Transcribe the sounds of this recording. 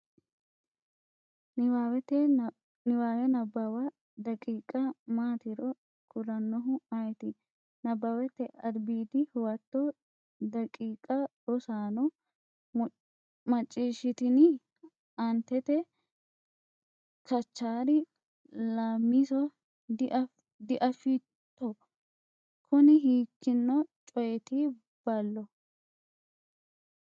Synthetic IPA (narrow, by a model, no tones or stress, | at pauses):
awɛt̪ːɛ | nɪwaːwɛnɐbːɐwɐ | d̪ɐkʼiːkʼɐmaːt̪ɪɾɔ | kʰʊɾɐnːɔɦʊɐjɛt̪ɪ | nɐbːɐwɛt̪ːɛʔɐd̪biːd̪ɪhʊwɐt̪ːɔ | d̪ɐkʼiːkʼɐdɔsaːnɔ | mɐt͡ʃʼːiːʃɪt̪ɪnɪ | ɐnt̪ɛt̪ɛ | kʰɐt͡ʃːaːɾɪ | laːmːisɔ | d̪ʔ | d̪ɪʔɐfɪ | t̪ːɔ | kʰʊnɪɦiːkːɪnːɔt͡ʃʼɔjɛt̪i | b̥ɐlːɔ